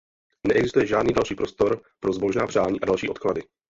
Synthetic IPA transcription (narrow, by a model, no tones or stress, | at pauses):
nɛʔɛɡzɪst̪ujɛʒaːdniːdalʃiːpɾo̞st̪o̞ɾpɾo̞zbo̞ʒnaːpr̝̥aːɲiːʔadalʃiːo̞t̪kladɪ